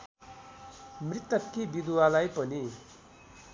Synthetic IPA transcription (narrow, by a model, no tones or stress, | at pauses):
mrit̪ːʌkːibid̪walajpʌni